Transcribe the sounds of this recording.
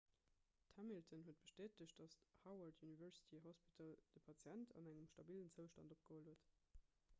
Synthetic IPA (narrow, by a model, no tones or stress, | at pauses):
tʰæmiltʰənɦuət̚b̥əʃteːtəɕt̚d̥ɑshɑʊɐɹtʰjunivɛɹsi̥tʰiɦɔspitʰɑld̥əpʰɑt͡sjæntʰɑ̰næŋəmʃtɑbiːlənt͡səʊʃtɑ̰ndop̚ɡ̥əhoːlhuət